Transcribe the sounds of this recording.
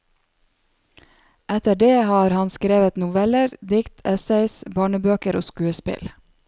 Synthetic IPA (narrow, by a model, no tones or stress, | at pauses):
ɛt̪əɖeːhɑːɾhɑnskɾeːʋət̪nʊʋɛləɾd̪ɪkt̪ʰɛsɛɪsbɑːɳəbøːkəɾʔo̰ːskʉːəspɪ̰l